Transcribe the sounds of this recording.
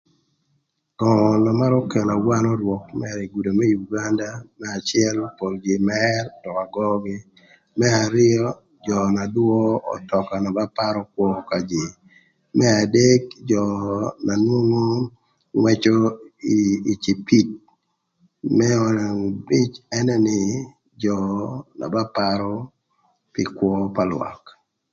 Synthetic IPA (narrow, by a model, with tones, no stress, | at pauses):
kɔ˨nɔ˨ma˦ɾɔ˦kɛ˨na˨wa˦nɔ˦ɾwɔ˨k̚mɛ˨ɾi˨ɡu˨do˨mɛ˦juɡa˦nda˦mɛ˦a˨t͡ʃɪɛ˦lpo˨ld͡ʒɪ˨mɛrtɔ˨ka˨ɡɔ˦ɡi˦ | mɛ˦a˨ɾɪ˦ɔ˦ | d͡ʒɔ˨na˨dwɔ˦ɔ̰˨tɔ˨ka˨nɔ˨ba˦pa˦ɾɔ˦k̚wɔ˦ka˨d͡ʒe˨ | mɛ˦a˨de˦kd͡ʒɔna˨nwo˦ŋo˦ | ŋwɛ˦t͡ʃo˦iː˨t͡ʃi˨pi˦t̚ | mɛɔ˨a˨ŋbi˦t͡ʃɛ˦nɛ˦nɪ˨ | d͡ʒɔna̰˨ba˦paɾɔ˦ | pɪ˨kwɔpa˨lw̰a̰˨k